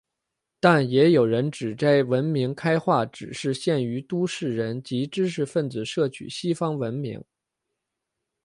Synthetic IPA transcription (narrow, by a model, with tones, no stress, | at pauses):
t̪a˥˩njɛ˧˥jo˨˩ʊɻə˧˥nʈ͡ʂɻ̩˨˩t͡sa˥˩ɪwə˧˥nmi˧˥ŋkʰa˥ɪxwa˥˩ʈ͡ʂɻ̩˨˩ʂɻ̩˥˧ɕjɛ˥˩ny˧˥t̪u˥ʂɻ̩˥˩ɻə˧˥nt͡ɕi˧˥ʈ͡ʂɻ̩˥ʂ̬ɻ̩˥˧fə˥˩nt͡sɹ̩˨˩ʂɤ˥˩t͡ɕʰy̰˨˩ɕi˥fɑ˥ŋwə˧˥nmḭ˧˥ŋ